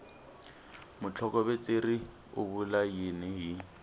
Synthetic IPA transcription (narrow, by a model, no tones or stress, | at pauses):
mʊt͡ɬʰɔkɔbɛt͡seri | ʊ̰bulajɪnɛɦi